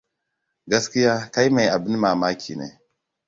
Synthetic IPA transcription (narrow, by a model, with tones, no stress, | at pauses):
ɡa˦ski˦ja˦ka˦jma˨ja˨bi˦n˦ma˨ma˦kʰḭ˨nḛ˨